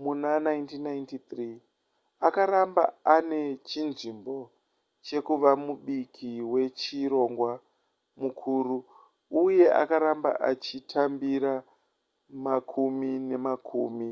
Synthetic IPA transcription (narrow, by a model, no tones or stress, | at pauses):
munanajntinːajntit̪ri | akaɾamba̰ane̞t͡ʃinʐimbo̞ | t͡ʃe̞kuʋamuɓikʰiwe̞t͡ʃiɾo̞ŋɡwa | mukʰuːɾu | uje̞ʔa̰kaɾamba̰ʔa̰t͡ʃitʰambiɾa | makʰumine̞makʰuːmi